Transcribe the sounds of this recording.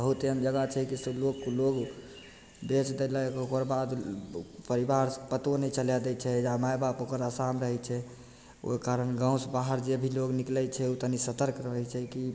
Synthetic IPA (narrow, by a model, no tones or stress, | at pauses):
bəɦut̪eəmd͡ʒəɡat͡ʃʰɛkisəblokːloɡ | bet͡ʃd̪ɛlɛkokəɾbad̪pəɾibaɾpət̪onɛt͡ʃəljad̪ɛt͡ʃʰɛd͡ʒamajbapokəɾasamɾəɦɛt͡ʃʰɛ | o̰kaɾənɡãw̃sbaɦəɾd͡ʒebʱiloɡniklɛt͡ʃʰɛut̪ənisət̪əɾkɾəɦɛt͡ʃʰɛki